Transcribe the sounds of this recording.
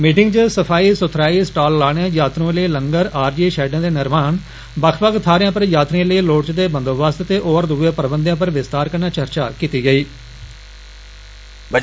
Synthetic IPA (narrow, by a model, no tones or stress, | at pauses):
miːʈɪŋɡd͡ʒəsəpʰaːiːsʊt̪ʰɾaːiːsʈaːlːaːɽãːjaːt̪ɾõːləiːləŋɡəɾaːɾd͡ʒiːʃɛːɖãːd̪eːnɪɾmaːn | bəkʰpəkt̪ʰaːɾɪjãːpəɾjaːt̪ɾẽːləiːloːʈt͡ʃd̪eːbə̃nd̪oːʋəst̪t̪eːʔɔːɾd̪uːẽːpəɾbənd̪jãːp̬əɾʋɪst̪aːɾkəɾnaːt͡ʃəɾt͡ʃa̰ːkiːt̪iːɡəiː | bə